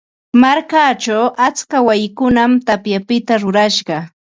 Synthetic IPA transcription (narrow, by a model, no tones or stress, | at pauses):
maɾkat͡ʃawʔat͡skawajɪkʊnamt̪apjapɪt̪aɾʊɾaʃɢɑ